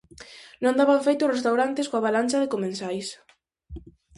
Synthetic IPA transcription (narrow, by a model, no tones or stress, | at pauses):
nõnd̪aβaɱfejt̪ʊsrest̪awɾant̪ɪskoaβalant͡ʃaðɪkomẽnsajs